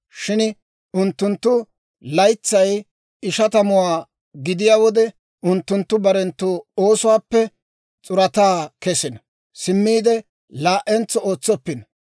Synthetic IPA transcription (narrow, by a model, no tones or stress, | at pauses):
ʃɪn | ʊnt̪ːʊnt̪ːʊ | lɐjt͡sːɐj | ɪʃɐt̪ɐmʊwaː | ɡɪd̪ɪjaːwɔd̪ɛ | ʊnt̪ːʊnt̪ːʊbɐɾɛnt̪ːuːo̞ːsʊwaːpːɛ | t͡sʼʊɾɐt̪aːkɛsɪnɐ | sɪmːiːd̪ɛ | laːʔɛnt͡sːɔo̞ːt͡sːɔpːɪnɐ